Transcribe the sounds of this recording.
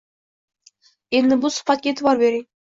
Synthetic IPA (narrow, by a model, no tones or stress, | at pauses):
end̪ɪbusʊ̥pɑt̪̚kʲet̪ɪbɑɾbeɾeŋ